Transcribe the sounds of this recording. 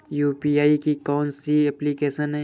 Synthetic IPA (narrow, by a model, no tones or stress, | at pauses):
juːpiːaːikikɔːnsiɛplikeːʃənɦɛ